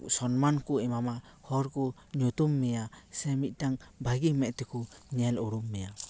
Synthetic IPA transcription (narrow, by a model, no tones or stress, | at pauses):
sɔnmankuɛmama | hɔɾkɔ | ɲut̪umːɛjasɛmit̪̚ˀtaŋbaɡimɛʔt̪ɛkuɲɛluɾumːɛja